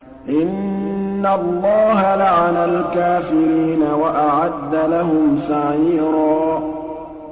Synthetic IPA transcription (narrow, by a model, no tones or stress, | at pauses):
ʔɪnː | alˤːɑːɦalaʕalalkaːfɪɾiːnawaʔaʕad̪ːalaɦʊmsaʕiːɾɑː